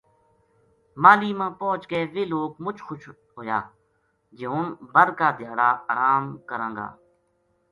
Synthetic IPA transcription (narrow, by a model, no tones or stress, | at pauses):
maːliːmãːpɔːt͡ʃɡeːʋeːloːkmʊt͡ʃʰxʊʃ | ɦoːja̰ː | d͡ʒɪʊːnbəɾkaːd̪ʱɪjaːɽaːʔəɾaːmkəɾãːŋɡa̰ː